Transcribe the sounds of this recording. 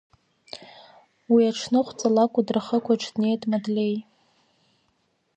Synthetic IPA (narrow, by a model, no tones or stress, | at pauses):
wiaʈ͡ʂʰnɨχʷt͡sʼalakʷʼadraχəkʷʰaʈ͡ʂʰdne̞jtʼmadlʲej